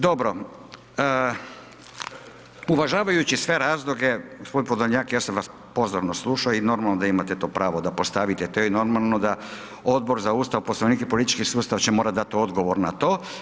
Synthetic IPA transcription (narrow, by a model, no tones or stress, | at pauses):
d̪o̞bɾo | uʋaʒaːʋajut͡ɕisʋe̞ɾaːzlˠoɡe̞ɡospod̪inpod̪oɲaːkjaːsaʋas | po̞zoɾnoslˠuːʃaino̞ɾmalnod̪aimat̪et̪o̞ːpɾaːʋod̪apo̞st̪aʋit̪et̪ojɛno̞ɾmalˠno̞d̪a | o̞d̪̚bo̞ɾzauːst̪aʋposlˠaʋnikepo̞lit̪i̥t͡ʃkisuːst̪aʋat͡ɕemo̞ːɾat̪d̪at̪io̞d̪ɡo̞ʋo̞ɾnat̪o̞ː